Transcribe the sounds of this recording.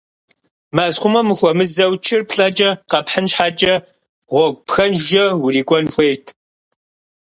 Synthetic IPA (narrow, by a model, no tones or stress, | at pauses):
maːzχʷʊmɐmɨxʷɔmɨzɐwt͡ʃʰɪrpɬʼɐt͡ʃʼɐqɐpħənʃħaːt͡ʃʼɐ | ʁʷɔɡʷpxɐnʒʒɐwʊriːɡʷʼɔnxʷeːtʰ